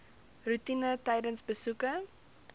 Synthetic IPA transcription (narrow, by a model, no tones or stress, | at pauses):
rutinətɛjdənsbəsukə